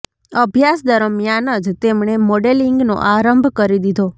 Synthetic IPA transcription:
əbʱjasd̪əɾəmjanəd͡ʒt̪emɳemoɖeliŋɡno̰ʔaɾəmbʱkəɾid̪id̪ʱo

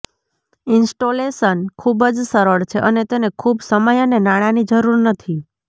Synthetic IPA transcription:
ɪnsʈolesənkʰubəd͡ʒsəɾəɭt͡ʃʰeʔənet̪enekʰubsəməjənenaɽ̃anid͡ʒəɾuɾnət̪ʰi

